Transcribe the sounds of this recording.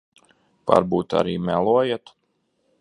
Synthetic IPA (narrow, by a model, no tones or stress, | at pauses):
pa̰ɾbuːt̪a̰ɾiːmʲælˠuɔjet̪